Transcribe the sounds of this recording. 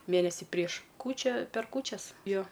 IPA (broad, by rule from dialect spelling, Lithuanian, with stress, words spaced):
ˈmʲeːnʲɛsʲɪ pʲrʲiɛʃ ˈkuːt͡ʃʲɛ pʲɛr ˈkuːt͡ʃʲɛs ˈjoː